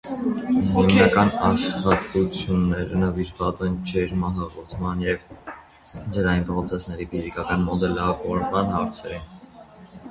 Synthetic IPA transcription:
ɦiunɑkɑnɑʃχɑt̪ut͡sʰjunːɛɾənəviɾvɑt͡sɛnt͡ʃʰɛɾmɑɦɑɡɔɾt̪ʰmɑnjɛv | d͡ʒəɾɑjinpʰɾɔt͡sʰɛsnɛɾifizikɑkɑnmɔd̪ɛlɑvɔɾmɑnhɑɾt͡sʰɛɾɛ

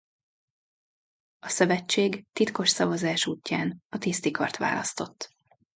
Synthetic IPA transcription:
ɒsøvɛt͡ʃːeːɡt̪it̪ko̞ʃsɒvɒzaːʃuːcːaːnɒt̪ist̪ikʰɒ̰rt̪ʋa̰ːlɒ̰st̪o̞t̪ː

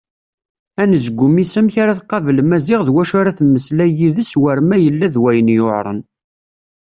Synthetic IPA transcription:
ænðəɡʷːʊmisæmçaɾaθqɑvəlmæzɪʁðwæʃaɾaθmːəslæjiðəswəɾmæjəlːæðwæjənjoʕɾˤə̰n

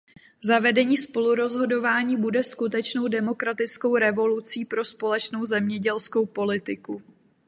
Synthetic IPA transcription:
zavɛdɛɲiːspo̞luɾo̞zɦo̞do̞vaːɲiːbudɛskut̪ɛt͡ʃno̞wdɛmokɾat̪ɪt͡sko̞wɾɛvo̞lut͡siːpɾo̞spo̞lɛt͡ʃno̞wzɛmɲɛɟɛlsko̞wpo̞lɪt̪ɪku

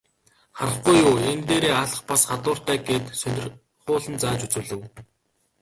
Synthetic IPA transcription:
χaɾə̆χɡujʊːent̪eːɾeːaɮə̆χpasχat̪ʊːr̥t̪æːɡeːt̪sœnʲɪ̆r | χʊːɮə̆nt͡saːt͡ɕut͡sŭːɮɘ̆w

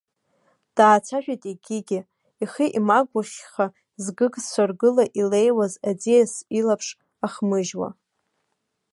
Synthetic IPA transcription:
d̥aːt͡sʷʰaʒᶣatʼiɡʲɪɡʲɪ | iχiʔimaɡʷaχʲχa | zɡɨɡʼsʷarɡɨlaʔile̞jwazad͡zijasilapʰʂ | aχmɨʒwa̰

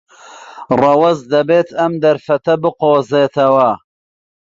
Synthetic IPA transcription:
rɑwɐzd̪ɐbeːt̪ʰɐmd̪ɐɾfɐt̪ɐbɨqoːzeːt̪ʰɐwɐ

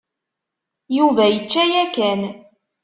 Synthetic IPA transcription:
juvæjət͡ʃːæjækæn

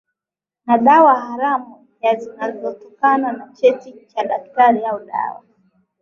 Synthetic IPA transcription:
naɗawahaɾamu | jazinazɔtɔkananat͡ʃɛtit͡ʃaɗak̚taɾiauɗa̰wa̰

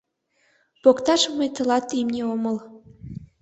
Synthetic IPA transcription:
pokt̪ɑʃɤməjt̪ɤ̆lɑt̪ːimnʲeomə̆l

